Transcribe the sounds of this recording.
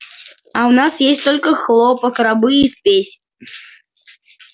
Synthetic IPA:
ɐwnasjesʲtʲt̪ɔlʲkɐxlˠɔpɐkɾabɨispʲesʲ

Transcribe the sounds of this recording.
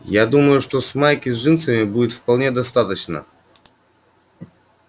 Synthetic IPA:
jad̪uməjʊʂt̪o̞smajkʲɪzʐɨnt̪səmʲɪbudʲɪt̪fpɐlˠnʲe̞d̪ɐst̪at̪ət͡ɕnə̰

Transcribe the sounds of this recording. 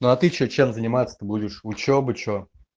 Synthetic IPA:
noɐt̪ɨt͡ɕot͡ɕemzənʲɪmat̪sə̥t̪ɨbudʲɪʂʊt͡ɕobɨt͡ɕo

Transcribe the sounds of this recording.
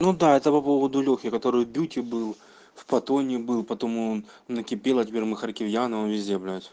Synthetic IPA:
nud̪aɛt̪əpɐpovəd̪ʊlʲokʲɪkɐt̪o̞ɾɨjbʲutʲɪbɨlˠ | fpɐt̪onʲɪbɨlˠpɐt̪omuon | nɐkʲɪpʲelˠɐtʲɪpʲermɨxɐrkʲɪvjanɨonvʲɪzʲdʲeblʲajt̪

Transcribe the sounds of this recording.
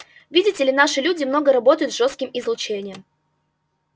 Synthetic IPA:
vʲidʲɪtʲɪlʲɪnaʂɨlʲudʲɪmno̞ɡəɾɐbo̞t̪əjʊt̪ʐo̞st̪kʲɪmɪzlˠʊt͡ɕenʲɪjəm

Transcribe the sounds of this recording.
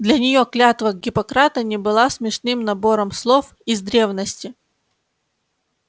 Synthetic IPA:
d̪lʲɐnʲɪjo̞klʲat̪vəɡʲɪpɐkɾat̪ənʲɪbɨlˠasmʲɪʂnɨmnɐbo̞ɾəmslˠof | ɪzd̪ɾʲe̞vnəsʲtʲɪ

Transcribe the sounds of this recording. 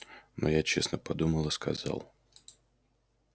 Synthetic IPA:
no̰jat͡ɕesnəpɐd̪uməlˠɨskɐzɑ̰lˠ

